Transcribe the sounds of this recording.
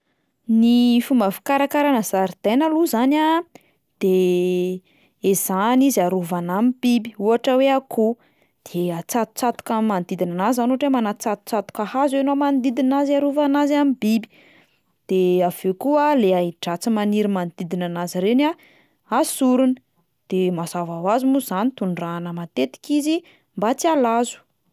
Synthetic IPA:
nifumbəfi̥kaɾakaɾanəzaɾd̪̥enaluzana | d̪̥e | ezanizaɾuvanamibibiuaʈ͡ʂəweakʰu | d̪̥eat͡sat̪u̥t͡sat̪u̥kamand̪id̪inanazanuaʈ͡ʂemanat͡sat̪u̥t͡sat̪u̥kahazeanomand̪id̪inazaɾuvanazamibibi̥ | d̪̥eav̥ekuəleaiʈ͡ʂat͡simaniɾimand̪id̪inanazɾena | asuɾunə̥ | d̪̥emazavawazumuzanit̪uɳɖ͡ʐanəmat̪et̪i̥kizi | mbat͡sialazu̥

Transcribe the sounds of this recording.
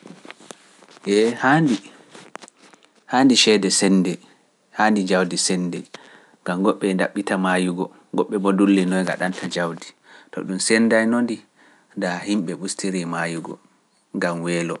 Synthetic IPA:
ʔɛhandi | haːndiʃɛdɛsɛndɛ | handid͡ʒawdisɛndɛ | ŋɡamɡɔɓːɛnda̰ɓːitamajuɡɔ | ɡɔɓːɛbodulːinɔjɡa̰ɗantʰad͡ʒawdi | tɔ̰ɗumsɛndajnondi | dahimɓɛɓustʰiɾimajuɡɔ̰ | ŋɡamwɛːlɔ

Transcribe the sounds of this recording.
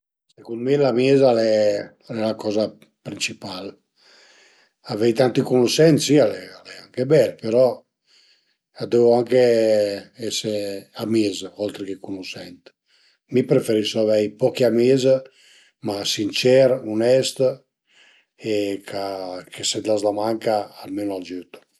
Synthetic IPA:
sekund̪milamiːzalɛ | ɛlakɔza | pɾint͡ʃipal | avɛjt̪ant̪ikunuʃɛnt̪sialɛalɛaŋkebɛlpeɾɔ | ad̪evoaŋke | ɛseamizɔlt̪ɾekekunuʃɛnt̪ | mipɾefeɾisoavɛjpɔkiamiz | masint͡ʃɛɾunɛst̪ | ekʰakʰesed̪lazlamaŋkaːlmenoald͡ʒyt̪

